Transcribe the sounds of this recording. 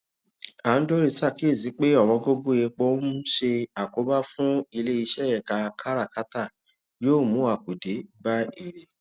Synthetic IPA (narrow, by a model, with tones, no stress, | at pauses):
a˨n̩˦do˦ɾi˦˧sa˦˨ki˨˦e˦˨si˨˦k͡pe˦ɔ˦˨w̃ɔ̃˧ɡo˦ɡo˦e˧k͡po˦n˦ʃe˧a˨ko˨˦ba˦fũ˦i˧le˦i˧ʃɛ˦jɛ˦˨ka˧kʰa˦ɾa˦˨ka˦ta˦˨ | joː˦˨mũ˨˦a˦˨ko˨de˨˦ba˦e˦˨ɾe˨